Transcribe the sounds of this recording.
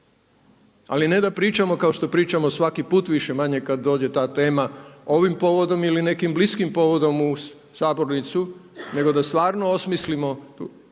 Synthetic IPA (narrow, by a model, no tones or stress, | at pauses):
a̰line̞d̪apɾiːt͡ʃamo̞kao̞ʃt̪o̞pɾiːt͡ʃamosʋakipuːt̪ʋiʃe̞maɲe̞kad̪ːo̞ːd͡ʑe̞t̪aːt̪e̞ːmao̞ʋimpo̞ʋo̞d̪o̞miline̞kimbliskimpo̞ʋo̞d̪o̞mu | saːbo̞ɾnit̪sune̞ɡo̞d̪ast̪ʋaːɾno̞osmislimo̞